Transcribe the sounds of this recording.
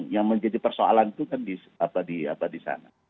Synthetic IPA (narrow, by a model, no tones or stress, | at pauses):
ŋjaŋməɲd͡ʒadipərsoa̰lant̪ukandis | apadia̰padisa̰na